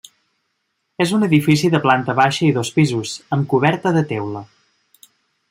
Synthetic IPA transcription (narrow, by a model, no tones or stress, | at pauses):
ezunəðifis̬iðəplant̪əβaʃəiðospizuzəmkuβɛɾt̪əðət̪ɛwlə